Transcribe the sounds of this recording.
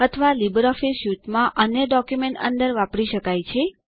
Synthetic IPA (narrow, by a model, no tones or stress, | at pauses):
ət̪ʰəʋalibɾɔfisjuʈmãʔənjəɖɔkjumeɳʈə̰nd̪əɾʋapɽiʃəkajt͡ʃʰe